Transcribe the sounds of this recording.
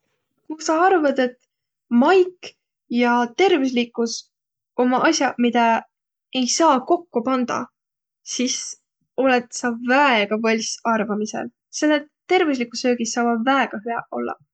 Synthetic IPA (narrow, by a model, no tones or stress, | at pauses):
kusɑɑrvɑd̪e̞t̪ | mɑjk | jɑt̪e̞rvis̬likːˑus | o̞mɑʔɑsʲjɑmid̪̥ɑ | e̞jsɑːko̞kːupɑnd̪̥ɑ̰ | sis | o̞let̪sɑvæeɡ̥ɑvɑlʲsɑrvɑmisḛl | selːet̪ːe̞rvis̬likːˑusø̞ːɡ̥isɑːvɑd̪væeɡ̥ɑɦyɑo̞lːɑ̰